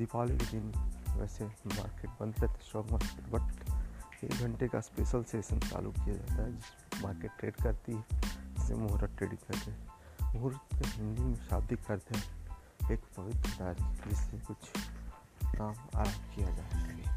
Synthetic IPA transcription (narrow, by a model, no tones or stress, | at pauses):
d̪ɪpaːliked̪ɪnʋɛ̰ːsema̰ːɾkeːʈbɐ̃nd̪ɾɛt̪ʰe̥sɾɔːɡməɾt̪ʰbɐʈt͡ʃḛːɡʱəɳʈekaspeːʃəlsʈeːʃənt̪a̰ːlṵkːijad͡ʒa̰ːt̪aɦɛd͡ʒɪs | maːɾkeːʈːɾeːɖkɐɾt̪iɦɛd͡ʒɪsḛmʊɦɾət̪̚ːɾeːɖɪ̃ŋkɐɾt̪eɦɛmʊɦɾət̪keɦɪ̃nd̪imẽʃa̰ːbd̪ɪkːɐɾt̪eɦɛ̃ | eːkpɐʋɪt̪ɾəd̪aːɾd͡ʒɪsekʊt͡ʃʰ | kaːma̰ːɾaːmkijad͡ʒaːtae